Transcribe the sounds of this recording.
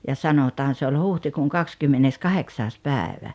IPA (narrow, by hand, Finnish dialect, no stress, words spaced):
jɑ sɑnotɑːn se olʲ huhtikuːŋ kɑkskymːenːeskɑheksɑːs pæːĕʋæ